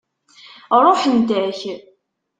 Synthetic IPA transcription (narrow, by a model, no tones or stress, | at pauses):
ɾˤoħənd̪æç